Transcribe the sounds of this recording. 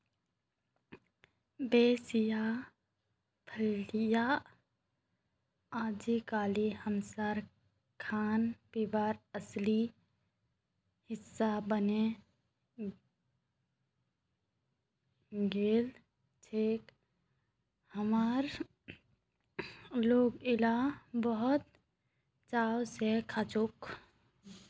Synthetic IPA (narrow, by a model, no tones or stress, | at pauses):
beːsja | pʰəlja | aːd͡ʒikaːlihəmsaːɾ | kʰaːnpibaːɾəsli | hɪsːabəne | ɡeːl | t͡ʃʰeːk | həmaɾ | loːɡɪlabəɦʊt̪ | t͡ʃaːwsekʰat͡ʃuk